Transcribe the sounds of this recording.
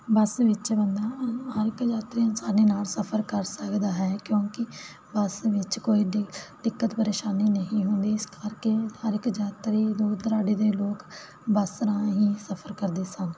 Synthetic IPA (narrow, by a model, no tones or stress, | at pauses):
bəsʋɪt͡ʃbənd̪aːɦəɾɪkd͡ʒaːt̪ɾiːə̃saːneːnaːlsəpʰəɾkəɾsəkd̪aːɦɛːkjõːkɪ | bəsʋɪt͡ʃkoːiːɖɖɪkːət̪pəɾeːʃaːniːnəɦĩːɦʊ̃nd̪iːɪskəɾkehəɾɪkd͡ʒaːt̪ɾiːd̪oːd̪ɾaːɖeːd̪eːloːk | bəsɾãːɦĩːsəpʰəɾkəɾd̪eːsən